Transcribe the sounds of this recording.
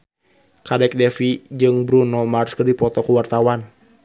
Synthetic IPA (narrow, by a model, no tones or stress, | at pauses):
kadɛk̚dɛfid͡ʒɨŋbɾunɔmarskədipɔt̪ɔkəwart̪awan